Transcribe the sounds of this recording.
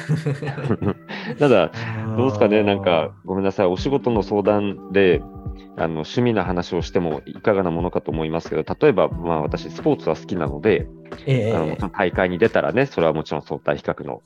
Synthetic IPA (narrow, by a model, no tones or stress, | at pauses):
nad̪ad̪oːsɨ̥kane̞nãŋkaɡo̞me̞nːasaĩo̞ɕiɡo̞t̪o̞no̞so̞ːd̪ãnd̪e̞ | a̰no̞ɕɨmʲinoɦanaɕio̞ɕi̥t̪e̞mo̞̰ikaɡanamo̞no̞kat̪oːmo̞imasɨ̥ke̞d̪o̞t̪at̪o̞e̞bamaːβat̪aɕisɨ̥po̞ːt͡sɨβ̞asɨ̥kʲinano̞d̪e̞ | a̰no̰moõt̪aikaiɲ̟id̪e̞t̪aɾa̰ne̞so̞ɾe̞βamo̞t͡ɕiɾõ̞so̞ːt̪aiçi̥kakɯ̟no̞̰